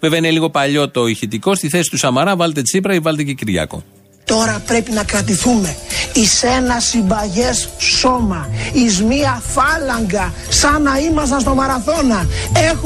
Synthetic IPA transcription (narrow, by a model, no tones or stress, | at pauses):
veveineliɣo̞pɐʎo̞t̪oiçit̪iko̞st̪iθe̞si̥t̪usɐmɐɾɐvɐlet̪e̞t͡sip̬ɾɐivɐlet̪ececiɾʝɐ̰ko̞̰ | t̪o̞ɾɐpɾe̞pinɐkɾɐt̪̬iθume̞ise̞nɐsibɐʝesːo̞mɐizmiɐfɐlɐŋɡɐ | sɐnɐimɐs̬ɐnst̪o̞mɐɾɐθo̞nɐe̞x